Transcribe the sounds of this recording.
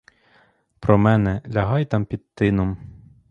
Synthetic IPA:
pɾɔmɛnɛlʲɐɦɑjt̪ɑmpʲid̪̚t̪ɪnɔm

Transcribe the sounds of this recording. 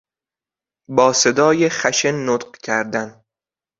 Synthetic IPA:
bɒːse̞d̪ɒːjeχæʃenːot̪qcʰæɾd̪æn

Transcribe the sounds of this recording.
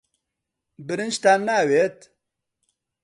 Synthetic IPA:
bɨɾɨnʃt̪aːnːaːwet̪

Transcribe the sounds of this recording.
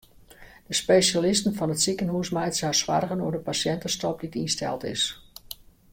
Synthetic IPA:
d̥əspeːsalɪstn̩fɔnətsikənɦuːsmɛjtsasʋa̰rɣənuədəpasjɛntəstɔp̚ditinstɛ̰lˠtɪ̰s

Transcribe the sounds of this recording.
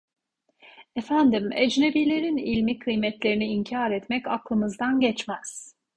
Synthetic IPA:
efænd̪imḛd͡ʒne̞biːlʲe̞ɾinilʲmikʰɯjmɛt̪lʲe̞ɾiniːɲcʰaːɾɛt̪mɛca̰klˠɯmɯzd̪anɟɛt͡ʃmæz̥

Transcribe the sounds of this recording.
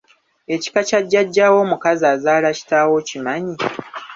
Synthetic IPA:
e̞ci̥kacaɟːaɟːaːwo̞ːmukazaːzaːlaci̥taːwo̞cimaɲi

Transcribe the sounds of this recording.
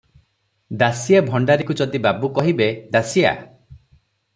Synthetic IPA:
d̪asijabʱɔɳɖaɾikud͡ʒɔd̪ibabukɔɦibed̪asija̰

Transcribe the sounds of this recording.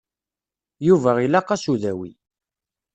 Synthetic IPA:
juvæʁilɑqɑsuðæwḭ

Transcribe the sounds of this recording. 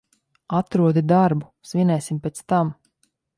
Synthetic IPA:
at̪ɾuɔd̪id̪aɾbusvʲinɛjsʲimpʲɛt̪st̪am

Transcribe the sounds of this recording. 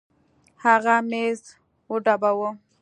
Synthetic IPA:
haɣamez | woɖabawə

